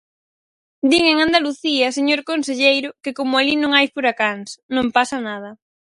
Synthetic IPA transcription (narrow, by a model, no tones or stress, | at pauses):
d̪iŋeŋãnd̪aluθiaseɲoɾkonseʎejɾʊkekomʊalinõŋajfuɾakaŋsnõmpasanað̞ɐ